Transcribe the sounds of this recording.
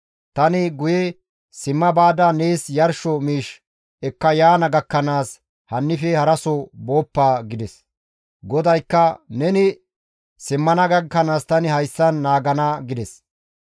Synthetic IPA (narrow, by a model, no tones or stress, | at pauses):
t̪ɐnɪɡʊjɛ | sɪmːɐbaːd̪ɐneːsjɐɾʃɔmiːʃ | ɛkːɐjaːnɐɡɐkːɐnaːs | hɐnːɪfɛhɐɾɐsɔbo̞ːpːaːɡɪd̪ɛs | ɡɔd̪ɐjkːɐnɛnɪ | sɪmːɐnɐɡɐkːɐnaːst̪ɐnɪhɐjsːɐnːaːɡɐnɐɡɪd̪ɛs